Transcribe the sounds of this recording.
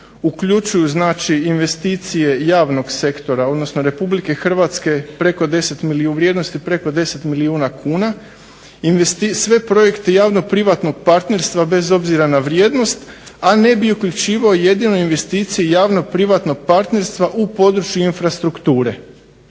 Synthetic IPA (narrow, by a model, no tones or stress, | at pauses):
ukʎut͡ʃujuznaːt͡ʃiinʋe̞st̪iːt̪sije̞jaːʋno̞ɡse̞kt̪o̞ɾao̞d̪no̞sno̞ɾe̞publike̞xr̩ʋat̪ske̞pɾe̞ko̞d̪e̞se̞t̪miliuʋɾjeːd̪no̞st̪ipɾe̞ko̞d̪e̞se̞t̪miliuːnakʰuːna | inʋest̪isʋe̞pɾo̞je̞kt̪ejaːʋno̞pɾiʋat̪no̞ɡ̥̚paɾt̪ne̞ɾst̪ʋabe̞zo̞bziɾanaʋɾje̞ːd̪no̞st̪ | ane̞biukʎut͡ʃiːʋaoje̞d̪ino̞inʋe̞st̪iːt̪sijejaːʋno̞pɾiʋat̪no̞ɡ̚paɾt̪ne̞ɾst̪ʋaʔupo̞d̪ɾut͡ʃjuinfɾast̪ɾukt̪uːɾe̞̰